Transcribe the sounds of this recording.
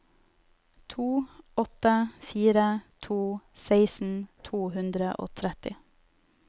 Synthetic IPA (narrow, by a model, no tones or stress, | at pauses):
t̪ʰuːɔt̪əfiːɾət̪ʰuːsæɪsn̩t̪ʰuːhʉnd̪ɾəʔo̰ːt̪ʰɾɛt̪ɪ